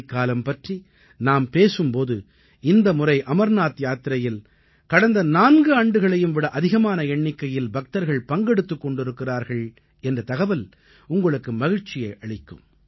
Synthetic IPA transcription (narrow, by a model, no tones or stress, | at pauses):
kːaːlɐmpɐʈri | naːmpeːsɯmpoːðɯ | ɪnd̪ɐmʊrɐɪʔɐmɐɾnaːt̪jaːt̪ɪɾɐjɪl | kɐɽɐnd̪ɐnaːnɡɯɐɳɖɯɣɐɭɐjɯmʋɪɽɐʔɐðɪɣɐmaːnɐɛɳːɪkːɐjɪlbɐk̚t̪ɐɾɣɐɭpɐŋɡɛɽɯt̪ːɯkːɔɳɖɪɾɯkːɪraːɾɣɐɭ | ɛndrɐt̪ɐɣɐʋɐl | ʊŋɡɐɭɯkːɯmɐɣɪɻt͡ʃːɪjɐɪʔɐɭɪkːɯm